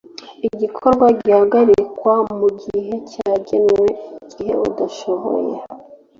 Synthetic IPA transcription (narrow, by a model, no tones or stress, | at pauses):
iɟikʰo̞ɾɡwaɟihaɡaɾikwamuɡiɦe̞caːɟenwe̞ɟ̥ihe̞udaʃoβo̰je